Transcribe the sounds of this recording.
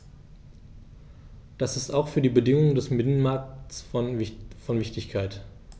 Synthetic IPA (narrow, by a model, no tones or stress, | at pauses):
d̥asɪstaʊxfyːɐdiːbədɪŋʊŋdɛsmɪnənmaɐk̚ts | fɔnvɪçtɪçkʰaɪt